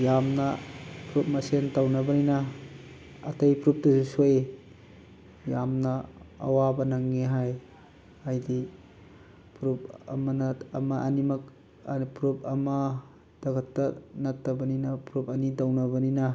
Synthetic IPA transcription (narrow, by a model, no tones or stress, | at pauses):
jamnɐpʰɾup̚mɐsentawnɐbɐninɐː | tɐjpʰɾup̚tɐsusoje | jamnɐ̰ːwabɐnaŋːeɦaj | ajdi | pʰɾup̚ɐ̰mɐnɐmɐʔɐnimɐk̚ | pʰɾup̚ɐmɐ | d̥ɐkʰɐtːɐnɐtːɐbɐninɐpʰɾupɐnitawnɐbɐninɐ